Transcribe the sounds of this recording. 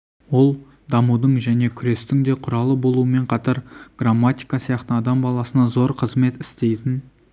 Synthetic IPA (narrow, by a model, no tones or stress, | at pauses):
wo̞lˠ | d̪ɑmud̪əɴʒæne̞kʲʰʏɾe̞st̪ɪŋd̪e̞qʰʊɾɑlˠəbo̞lˠuwəme̞ɴqʰɑt̪ɑɾɡ̥ramːat̪ʲijkɑsijɑq̚t̪ənɑd̪ɑmbɑlˠɑsənɑzo̞ɾqʰəzme̞t̪ɪ̥st̪ejd̪ɪn